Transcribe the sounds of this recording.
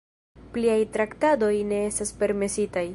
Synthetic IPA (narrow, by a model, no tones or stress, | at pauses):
pliajtɾaktado̞jne̞e̞staspe̞ɾme̞sitaj